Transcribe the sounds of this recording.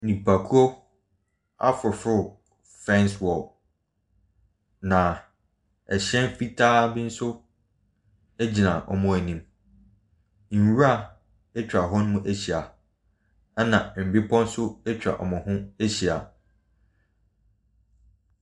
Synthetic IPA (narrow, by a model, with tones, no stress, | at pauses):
nĩ˨pʰa˨kʰu˦ɔ˦ | a̰˦fʊ˨fʊ˦˨ | fɛ̃˦nswɔ˨l | nã˨ | ɛ˨ɕɛ̃˦n˦fi˦tʰaː˦bi˦n̩˦sʊ˦ | æ˦d͡ʑi˨nã˨ʔɔ̰˨mʊ̃˨æ˨nĩ˨m | n̩˨wu˦a˦˨ | ɛ˦t͡ɕᶣɾa˨ɦɔ˦nʊ̃˦ʊ̃˦ʔæ˦ɕi˨a˨ | a˦nã˨m̩˨bɪ˦pʰɔ̃˦n̩˦sʊ˦ɛ˦t͡ɕʰᶣɾa̰˨ʔɔ̰˨mʊ̃˨hʊ̃˦æ˦ɕi˨a̰˨